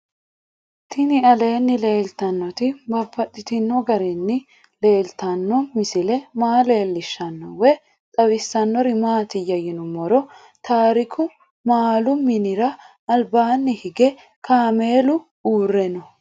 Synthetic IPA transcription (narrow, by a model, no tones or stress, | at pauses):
t̪ɪnɪɐle̞ːnːɪle̞ːlt̪ɐnːɔt̪ɪbɐpːɐt̪ʼːɪt̪ɪnːɔɡɐɾɪnːɪ | le̞ːlt̪ɐnːɔmɪsɪlɛmaːle̞ːlːɪʃːɐnːɔwɛ | t̪ʼɐwɪsːɐnːɔɾɪmaːt̪ɪjɐjɪnʊmɔɾɔ | t̪ʰaːɾɪkʰʊ | maːlʊmɪnɪɾɐ | ɐlbaːnːɪhɪɡɛ | kʰaːme̞ːlʊ | uːrːɛnɔ